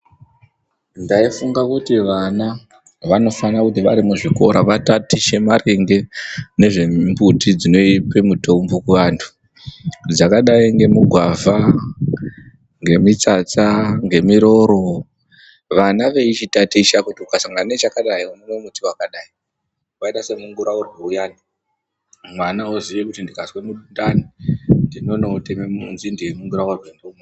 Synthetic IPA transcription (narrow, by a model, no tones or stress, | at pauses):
ndaifuŋɡakutiʋana | ʋano̞fanakutiʋaɾimuʐiko̞ɾaʋatatiʃe̞mareŋɡe̞ne̞ʐe̞mbutid͡zino̞ipe̞muto̞mbokuʋaːntʰu̥ | d͡zakaɗaiŋɡe̞muɡʱwavʱa | ŋɡe̞mit͡sat͡saŋɡe̞miɾo̞ɾo̞ | ʋanaʋe̞it͡ʃitatiʃakutiukasaŋɡanet͡ʃakaɗaiunomwemutiwakaɗai | waitase̞muŋɡuɾaurwuujaːni | mwanauziʋekutindikaswe̞muɗundanindino̞notemeunzindiwemuŋɡuɾawarwendeumo